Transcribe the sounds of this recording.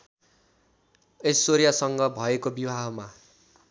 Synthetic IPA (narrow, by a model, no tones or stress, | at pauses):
esoɾijasʌŋɡʌbʱʌekobibʱaɦʌma